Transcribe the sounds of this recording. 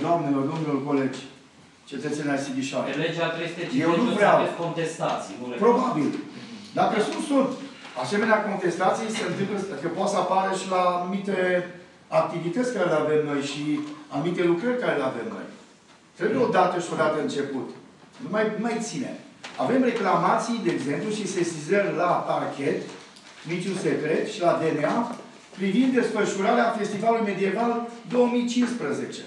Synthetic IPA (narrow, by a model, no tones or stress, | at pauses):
d̪oamnelord̪omnulko̞led͡ʒʲ | t͡ʃe̞t̪ət̪senʲasibiʃanled͡ʒat̪ɾeest̪et͡ʃjewnumɾeakont̪est̪at̪sʲipɾo̞babild̪akəsusunt̪ | ase̞me̞neako̞nt̪e̞st̪at̪sijesəɨnt̪ɨmpləakəpot̪səapaɾəʃilaːnumit̪e | ak̚t̪ivit̪ət̪sʲkaɾeleave̞mno̞jʃianumit̪e̞lukɾərʲkaɾeleave̞mno̞̰j | t̪ɾebujeo̞d̪at̪əʃiod̪at̪əɨnt͡ʃe̞put̪ | numajnumajt̪sinḛma̰ve̞mre̞klamat̪sijd̪eːɡze̞mpluʃisesizəmlapakʲe̞t̪ | mit͡ʃunse̞kɾe̞t̪ʃilad̪enea | pɾivind̪ːe̞sfəʃuɾaɾeafe̞st̪ivalulujme̞d̪ie̞vald̪o̞wəmijt͡ʃinspɾəze̞t͡ʃe̞̰